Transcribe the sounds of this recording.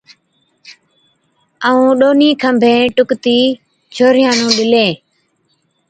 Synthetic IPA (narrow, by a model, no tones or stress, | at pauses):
əũːɗoːniːkʰəmbʱẽːʈʊkt̪iː | t͡ʃʰoːɾɪjãːnũːɗɪlẽː